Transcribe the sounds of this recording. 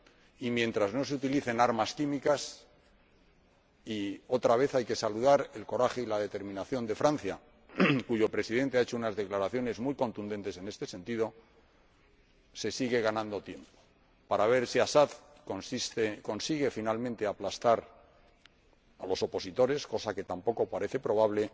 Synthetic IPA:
imje̞nt̪ɾazno̞seut̪iliθenaɾmaskimikas | io̞t̪ɾaβ̞e̞θajke̞saluðaɾe̞lko̞ɾaxe̞ilað̞e̞t̪e̞ɾmĩnaθjo̞nd̪e̞fɾãnθja | kuʝo̞pɾe̞siðe̞nt̪eaet͡ʃo̞unazðe̞klaɾaθjo̞ne̞zmujko̞nt̪und̪e̞nt̪e̞se̞ne̞st̪ese̞nt̪iðo̞ | se̞siɣe̞ɣ̞anãnd̪o̞t̪je̞mpo̥ | paɾaβ̞e̞ɾsiasað | konsist̪eko̞nsiɣe̞finalmẽnt̪e̞aplast̪aɾ | alo̞so̞po̞sit̪o̞ɾe̞sko̞sake̞t̪ampoko̞paɾe̞θe̞pɾo̞β̞aβle̞

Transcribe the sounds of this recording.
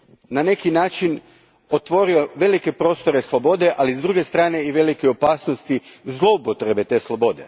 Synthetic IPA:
nane̞kinaːt͡ʃin | ot̪ʋo̞ɾio̞ʋe̞like̞pɾo̞ːst̪o̞ɾe̞slˠo̞bo̞d̪e̞ʔalizd̪ɾuːɡe̞st̪ɾaːne̞iʋe̞likeo̞paːsnost̪izlˠo̞upot̪ɾe̞be̞t̪e̞ːslˠobo̞d̪e̞̰

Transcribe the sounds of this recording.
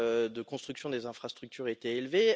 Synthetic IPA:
d̪əkɔ̃st̪χyksjɔ̃d̪ezɛ̃fχast̪χyk̚t̪ʰyʁet̪ɛːlve

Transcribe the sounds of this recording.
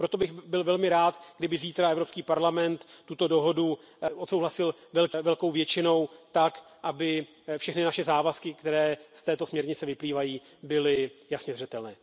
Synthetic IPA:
pɾot̪o̞bɪxbɪlvɛlmɪɾaːt̪ɡdɪbɪziːt̪ɾaɛvɾopskiːpaɾlamɛnt̪t̪ːut̪o̞do̞ɦo̞du | ʔot̪sowɦlasɪlvɛlkvɛlko̞wvjɛt͡ʃɪno̞wt̪akʔabɪ | fʃɛxnɪnaʃɛzaːvaskɪkt̪ɛɾɛːst̪ɛːt̪o̞smɲɛɾɲɪt͡sɛvɪpliːvajiː | bɪlɪjasɲɛzrɛt̪ɛlnɛː

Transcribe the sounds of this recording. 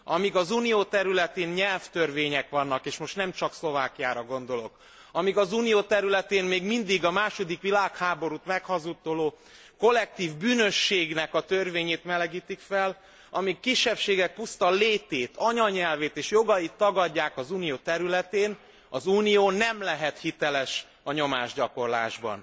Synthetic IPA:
ɒmiɡɒzuːnijoːt̪ɛɾylɛt̪eːnɲɛlft̪ørveːɲɛkʋɒnːɒkeːʃmo̞ʃt̪nɛmt͡ʃɒkslo̞vaːkijaːɾɒɡo̞n̪d̪o̞lo̞̰k | ɒmiɡɒzuːnijoːt̪ɛɾylɛt̪eːnmeːɡmind̪iɡɒmaːʃo̞d̪ikʋilaːkhaːbo̞ɾut̪mɛkhɒzut̪ːoloː | ko̞lːɛk̚t̪iːvbyːnøʃːeːɡnɛkɒt̪ørveːɲeːt̪mɛlɛɡiːt̪ikfɛl | ɒmikːiʃːɛpʃeːɡɛk̚pust̪ɒleːt̪eːt̪ʰɒɲɒɲɛlveːt̪eːʃjo̞ɡɒjit̪ːɒɡɒɟːaːkɒzuːnijoːt̪ɛɾylɛt̪eːn | ɒzuːnijoːnɛmlɛɦɛt̪hit̪ɛlɛʃ | ɒɲo̞maːʒɟɒko̞rla̰ːʒbɒ̰n

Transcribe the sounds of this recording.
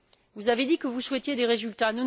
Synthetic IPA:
vuzaved̪ikəvuswɛt̪jed̪eʁezylt̪anun

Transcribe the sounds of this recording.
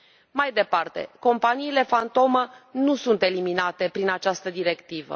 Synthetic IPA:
majd̪e̞part̪e̞̰ko̞mpaniːle̞fant̪o̞mənusunt̪e̞liminat̪e̞pɾinat͡ʃast̪əd̪iɾe̞kt̪ivə̰

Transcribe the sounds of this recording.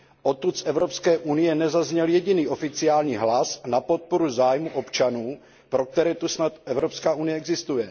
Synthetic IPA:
ʔot̪ut̪sʔɛvɾopskɛːʔunɪjɛnɛzazɲɛljɛɟɪniːʔo̞fɪt͡sɪaːlɲiːɦlasnapo̞t̪̚poɾuzaːjmuʔo̞pt͡ʃanuː | pɾo̞k̚t̪ɛɾɛːt̪usnat̪ɛvɾopskaːunɪjɛɛɡzɪst̪ujɛ

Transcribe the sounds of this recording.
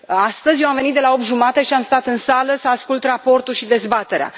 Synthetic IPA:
ast̪əzʲjewamve̞nit̪d̪e̞lao̞p̚t̪ʒumat̪e̞ʃiamst̪at̪ɨnsaləsaːskult̪rapo̞rt̪ulʃid̪e̞zbat̪e̞ɾea̰

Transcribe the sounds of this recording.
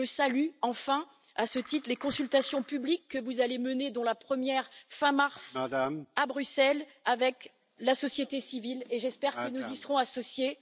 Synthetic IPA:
əsalyɑ̃fɛ̃ | asət̪it̪χlekɔ̃sylt̪asjɔ̃pyblikːəvuzaleməned̪ɑ̃lapχəmjɛʁfɛ̃maʁsadamabʁysɛl | avɛk | lasɔsjet̪esivileʒɛspɛʁkkənuzisəʁɔ̃asɔsje

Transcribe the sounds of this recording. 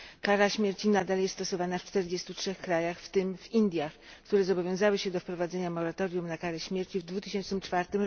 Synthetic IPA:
kaɾaɕmʲjɛɾt͡ɕinad̪aljɛst̪t̪ɔsɔvanaft͡ʂt̪ɛɾd͡ʑest̪utʂɛxkɾajaxft̪ɘmvind̪ʲjax | kt̪uɾɛzɔbɔvʲjɔ̃w̃zawɘɕɛd̪ɔfpɾɔvad̪zɛɲamɔɾat̪ɔɾjumnakaɾɛɕmʲjɛɾt͡ɕivd̪vut̪ɘɕɛnt͡ʂnɘmt͡ʂfaɾt̪ɘmɾɔ

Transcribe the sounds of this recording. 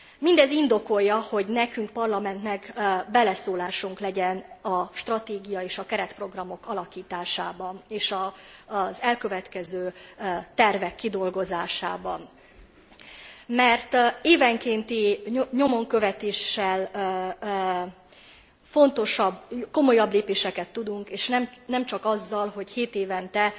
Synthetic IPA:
mind̪ɛzind̪o̞ko̞jːɒho̞ɟnɛkyŋk̚pɒrlɒmɛnt̪nɛkbɛlɛsoːlaːʃuŋklɛɟɛnɒʃt̪rɒt̪eːɡijɒeːʃɒkɛɾɛt̪pro̞ɡrɒmo̞kɒlɒkiːt̪aːʃaːbɒneːʃɒ | zɛlkø̞vɛt̪kɛzøːt̪ɛrvɛkːid̪o̞lɡo̞zaːʃa̰ːbɒn | mɛrt̪eːvɛŋkeːnt̪iɲo̞mo̞ŋkøvɛt̪eːʃːɛl | fo̞nt̪o̞ʃɒbko̞mo̞jɒbleːpeːʃɛkɛt̪ːud̪uŋkeːʃnɛmnɛmt͡ʃɒkɒzːɒlɦo̞cheːt̪eːvɛnt̪ɛ

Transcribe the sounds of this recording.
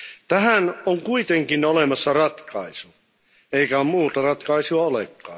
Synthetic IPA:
t̪æhænoŋkuit̪eŋkinolemɑsːɑrɑt̪kɑisu | eikæommuːt̪ɑrɑt̪kɑisuɑolḛkːˑɑ̰ː

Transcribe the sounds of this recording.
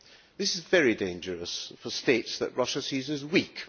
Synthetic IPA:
ðɪsɪzvɛɹidẽɪ̃nd͡ʒəɹəsfəsteɪtsðə̰ʔɹʌʃəsizə̃nɪzwiˑk

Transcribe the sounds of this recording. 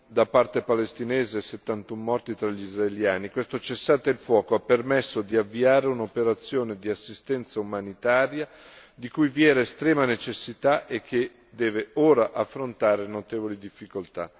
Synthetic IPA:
d̪apart̪epalest̪ineːzeːset̪ːant̪umːɔrt̪it̪ɾaʎːizraeljaːnikwest̪ot͡ʃesːaːt̪eilfwɔːkoapːermesːod̪iavːiaːɾeunopeɾat̪sːjoːned̪iasːist̪ɛnt̪saumanit̪aːɾja | d̪ikujvjɛːɾeːst̪ɾɛːmanet͡ʃesːit̪aʔek̟ʰːe | d̪ɛːveoːɾaʔafːɾont̪aːɾenot̪eːvolid̪ifːikolt̪a̰

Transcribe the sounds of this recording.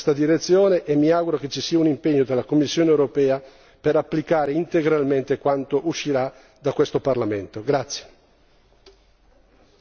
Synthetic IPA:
st̪ad̪iɾet̪sːjoːneʔemːiaɡuɾok̟et͡ʃːisiːaunimpeɲːod̪elːakomːisːjoːneewɾopɛːa | peɾapːlikaːɾeint̪eɡɾalment̪ekwant̪oʔuʃːiɾa | d̪akwest̪oparlament̪oɡɾat̪sːje̥

